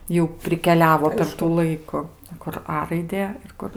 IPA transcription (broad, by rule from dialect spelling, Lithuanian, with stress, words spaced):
ˈjɛʊ pʲrʲɪkʲɛˈlʲæːʋoː pʲɛr tuː ˈlˠɐɪkʊ kʊr ˈɐ rɐɪˈdʲeː ɪr ˈkʊr